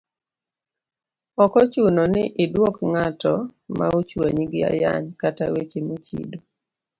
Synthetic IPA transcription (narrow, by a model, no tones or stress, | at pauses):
ɔkɔt͡ʃunonɪʔɪdwɔkŋatɔma̰ut͡ʃwḛɲɡɪa̰ja̰ɲkatawet͡ʃemut͡ʃḭdo